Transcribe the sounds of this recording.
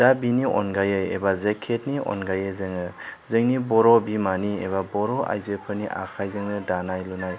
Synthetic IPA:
d̥abiniʔɔ̰nɡajɯjḛbazekʰetniɔ̰nɡajɯzɯŋɯzɯŋnibɔɾɔbimanieβabɔɾɔa̰jzepʰɯɾniʔa̰kʰajzɯŋnɯdanajlunaj

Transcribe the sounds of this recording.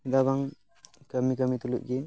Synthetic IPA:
dabaŋ | kəmikəmit̪uluʔ̚ɡe

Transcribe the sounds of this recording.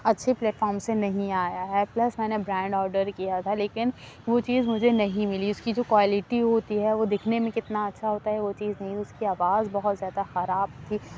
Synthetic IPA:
ɐtːʃʰeplɛːʈfɔːɾmsenɐɦĩaːjaɦɛplɐsmɛ̃ːnebɾɛ̃ːɳɖɔːɾɖəɾkijat̪ʰaleːkɪn | ʋot͡ʃiːzmʊd͡ʒʱenɐɦĩmɪliʊskid͡ʒoːkʋaːlɪʈiɦoːt̪iɦɛʋod̪ɪkʰnemẽkɪt̪naɐtːʃʰaɦoːt̪aɦɛʋot͡ʃiːznɐɦĩʊskiaːʋaːzbɐɦʊt̪zjaːd̪axɐɾaːbt̪ʰiː

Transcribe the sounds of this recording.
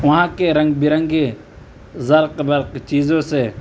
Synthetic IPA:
ʋɐɦãːkeːɾɐ̃ŋɡ̚bɪɾə̃ŋɡe | zɐɾqbɐɾqt͡ʃiːzõːseː

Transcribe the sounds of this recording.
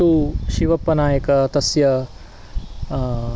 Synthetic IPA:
uʃiʋɐpːɐnaːjɐkɐt̪ɐsjɐ

